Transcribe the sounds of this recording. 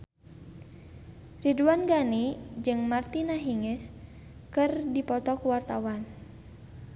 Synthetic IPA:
riduanɡanid͡ʒɨŋmart̪inaɦiŋɛs | kɨrdipɔt̪ɔkuwart̪awan

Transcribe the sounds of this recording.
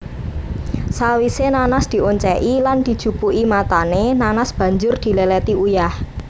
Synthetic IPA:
sawisenanasd̪̥i̤ʔoɲt͡ʃɛʔiland̪̥i̤d̥ʒ̥ṳpuʔimat̪anenanasb̥ä̤ɲd͡ʒʊrd̪̥i̤lelɛt̪iujah

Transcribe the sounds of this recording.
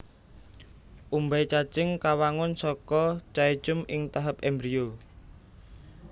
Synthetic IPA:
ʔumbait͡ʃat͡ʃɪŋkawaŋʊnsɔkɔt͡ʃai̥t͡ʃʊmɪŋt̪aɦapɛmbɾio

